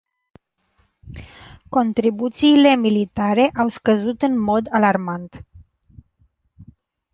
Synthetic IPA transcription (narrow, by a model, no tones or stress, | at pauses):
ko̞nt̪ɾibut̪siːle̞milit̪aɾe̞ʔawskəzut̪ɨnmo̞d̪alarmant̪